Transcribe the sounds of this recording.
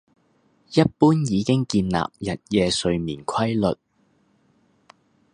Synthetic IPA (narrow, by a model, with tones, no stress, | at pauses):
jɐ˥t̚puː˥njiː˨˧kɪ˥ŋkiː˧nla̰ː˨p̚jɐ˨t̚jɛː˨˧sɵ˧ɥmiː˨˩nkʰɐ˥jlɵ˨t̚